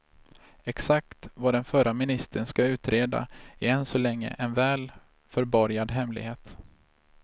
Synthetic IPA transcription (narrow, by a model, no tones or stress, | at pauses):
ɛksak̚t̪vad̪ɛnfœɾamɪnɪst̪ʰənskaʉ̟ːt̪ɾeːd̪a̰ɪɛnsɔlɛŋːə̰ʔɛnvɛːl | fœɾbɔɾjad̪ɦɛmlɪ̰ɡheːt̪